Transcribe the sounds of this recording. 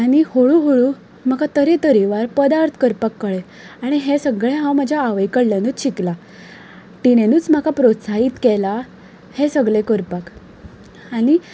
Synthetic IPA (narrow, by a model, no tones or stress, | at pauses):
aɽ̃ihoɭuɦoɭu | m̤əkat̪əɾet̪əɾiʋaɾpəd̪aɾt̪ʰkəɾpakːəɭe | aɽ̃iɦesəɡɭẽɦãwm̤əd͡ʑʱjaːʋəjkəɽlenuːt͡sɕikla | ʈinenuːt͡sm̤akapɾot̪saɦiːt̪kɛla | hesəɡɭekəɾpak | aɽ̃i